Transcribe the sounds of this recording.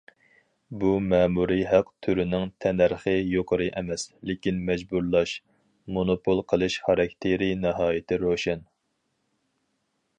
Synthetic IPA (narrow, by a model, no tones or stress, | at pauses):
bumɛːmuɾɨɦæqt̪ʰyɾɪnɪŋt̪ʰɛnæɾχəjoqʰəɾɨʔɛmɛslɪkʲinmɛd͡ʒbuɾlˠɑʃ | monopʰolˠqʰəlˠɨʃχɑɾɑk̚ʲt̪ʰeɾinɨɦɑːjɪt̪ʰɪɾoʃɛn